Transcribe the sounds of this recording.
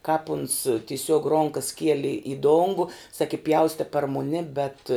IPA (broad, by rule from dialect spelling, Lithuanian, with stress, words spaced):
kɑːp ʊns tʲɪˈsʲuɔk ˈroːŋkɐs ˈkʲiɛlʲɪ ɪ ˈdoːŋɡʊ sɐkʲɪ ˈpʲjɛʊsʲtʲɛ pɐr mʊˈnʲɪ bʲɛt